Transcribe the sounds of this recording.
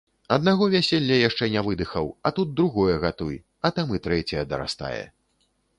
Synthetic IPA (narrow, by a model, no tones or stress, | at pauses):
ɐd̪naɣɔvʲasʲelʲːɐjaʂt͡ʂɛnʲɛvɨd̪ɨxɐwɐt̪ud̪̚d̪ɾuɣɔjɛɣat̪uj | ɐt̪amɨt̪ɾɛt͡sʲɐjɐd̪ɐɾa̰st̪a̰jɛ̰